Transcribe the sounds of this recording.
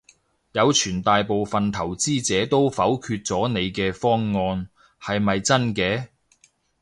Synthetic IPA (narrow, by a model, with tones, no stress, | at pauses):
jɐ˨˧wt͡ʃʰyː˨˩nt̪aː˨jpo˨wfɐ˨nt̪ʰɐ˨˩wt͡siː˥t͡sɛː˨˥t̪o˥wfɐ˨˥wkʰyː˧t̚t͡sɔː˨˥ne˨˧jkɛː˧fɔː˥ŋːɔː˧n | hɐ˨jmɐ˨jt͡sɐ˥nkɛː˧